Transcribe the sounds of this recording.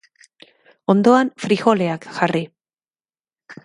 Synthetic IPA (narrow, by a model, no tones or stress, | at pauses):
o̞nd̪o̞anfɾixo̞le̞akʝari